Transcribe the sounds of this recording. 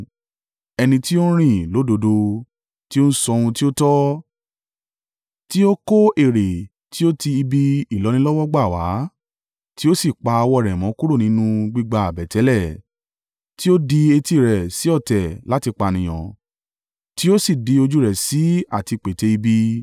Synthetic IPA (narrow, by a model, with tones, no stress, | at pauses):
ɛ˧nĩ˧ti˦o˦ɾ̃ĩ˦˨lo˨˦do˧do˧ | ti˦o˦n̩˦sɔ˧ɾ̃ũ˧ti˦o˦tɔ˦ | ti˦o˦ko˦e˦˨ɾe˨ | ti˦o˦ti˧i˧bi˧i˦˨lɔ˨˦nĩ˦lɔ˦wɔ˦ɡ͡ba˦˨wa˨˦ | ti˦o˦si˦˨k͡pa˧a˧wɔ˧˦˨ɾɛ˨mɔ̃˨˦ku˦ɾo˦˨nĩ˨˦nũ˧ɡ͡bi˧ɡ͡ba˧˨bɛ˨tɛ˨˦lɛ˦˨ | ti˦o˦di˧e˧ti˧˨ɾɛ˨si˨˦ɔ˦˨tɛ˨la˨˦ti˧k͡pa˧˨nĩ˨j̃ɔ̰̃˨ | ti˦o˦si˦˨di˧o˧d͡ʒu˦ɾɛ˨si˨˦a˦˨ti˧k͡pe˨te˧i˧bi˦